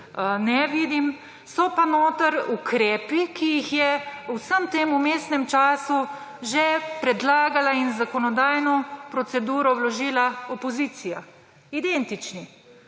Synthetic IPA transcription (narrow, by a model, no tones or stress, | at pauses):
nɛʋiːd̪im | sɔpanoːt̪əɾukʰɾɛːpikijixjɛusəmt̪eːmumeːsnɛmt͡ʃaːsu | ʒɛpɾɛd̪laːɡalainzakɔnɔd̪aːjnɔpɾɔt̪sɛd̪uːɾɔwlɔʒiːlaɔpɔziːt̪sija | id̪ent̪it͡ʃni